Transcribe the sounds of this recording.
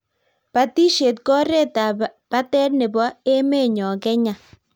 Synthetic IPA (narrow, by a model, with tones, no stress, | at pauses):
pa˨ti˦ʃe˨t̚kɔ˦ɾe˦ta˨pa˦tɛ˦tnɪ˨bɔ˦e˦me˦˨ɲɔ˨kɛ˦ɲa˨